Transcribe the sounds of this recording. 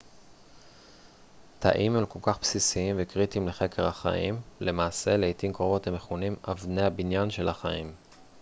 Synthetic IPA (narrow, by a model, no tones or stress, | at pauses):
t̪ʰa̰ʔimemko̞lkaχpsisiimvekʁit̪imleχe̞keʁhaχa̰ʔimle̞maːse̞leit̪imkʁo̞vo̞tameχunimavneabinjanʃe̞laχaim